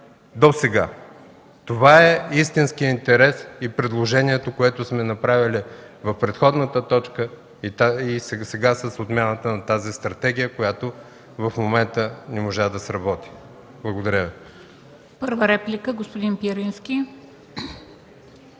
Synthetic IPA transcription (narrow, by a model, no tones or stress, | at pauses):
d̪osɛɡa̰ | t̪ovaɛist̪inskijəint̪ɛɾɛsipɾɛd̪lˠoʒɛniɛt̪okoɛt̪ʊsmɛnɐpɾavʲili | vɐfpɾɛt̪xɔd̪nət̪ət̪ɔt͡ʃkə | it̪aisɛsɛɡasəsot̪mʲjanət̪ənɐt̪azist̪ɾɐt̪ɛɡ̟ʲijəkojat̪o | vɐfmomɛnt̪ənɛmoʒad̪ɐsɾɐbɔt̪i̥ | blˠɐɡod̪ɐɾʲəvi | pəɾvəɾɛplʲikəɡospʊd̪inpiɾinskʲi